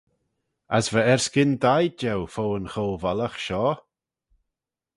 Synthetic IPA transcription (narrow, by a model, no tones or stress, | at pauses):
asvəɛɹskɪnd̪ajd͡ʒɛwfowənxolvaləxʃɔː